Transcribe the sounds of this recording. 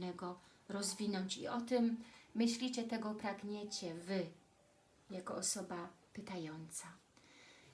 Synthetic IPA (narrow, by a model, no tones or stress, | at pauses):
nɛɡɔɾɔzvʲinɔɲt͡ɕḭɔt̪ɘmːɘɕlʲit͡ɕɛt̪ɛɡɔpɾaɡɲet͡ɕɛvɘ | jakɔɔsɔbapɘt̪ajɔnt̪sa